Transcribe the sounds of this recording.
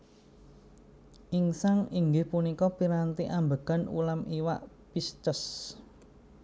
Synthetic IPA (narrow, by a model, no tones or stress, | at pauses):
ʔiŋsaŋiŋɡɪhpunikɔpiɾant̪iʔambəɡ̥anṵlamiwa̰ʔ | pist̪əs